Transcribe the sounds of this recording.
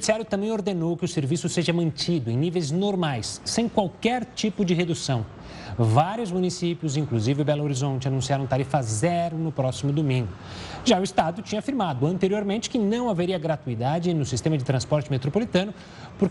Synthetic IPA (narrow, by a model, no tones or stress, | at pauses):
siaɾjʊt̪ɐ̃mbẽj̃oɾd̪enowkɪʊseɾvisʊseʒɐmɐ̃nt͡ʃid̪ʊẽnivejznoɾmajsːẽj̃kwawkɛɾt͡ʃipʊd͡ʒɪɦed̪usɐ̃w̃ | vaɾjʊzmunisipjʊzĩkluzivɪʊbɛloɾizõnt͡ʃɪanũsiaɾɐ̃t̪aɾifɐzɛɾʊnʊpɾɔsimʊd̪omĩŋɡʊ | ʒaʊist̪ad̪ʊt͡ʃĩɲɐafiɾmad̪ʊɐ̃nt̪eɾioɾmẽnt͡ʃɪ̥kɪnɐ̃w̃aveɾiɐɡɾat̪uid̪ad͡ʒɪnʊsist̪ẽmɐd͡ʒɪt̪ɾɐ̃spɔɾt͡ʃɪmet̪ɾopolit̪ɐ̃nʊ | pʊɾk